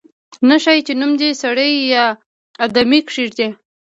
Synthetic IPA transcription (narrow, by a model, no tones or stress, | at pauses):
naʃajt͡ʃenumd̪isaɽəjjɑ | ad̪amikʂiʐd̪e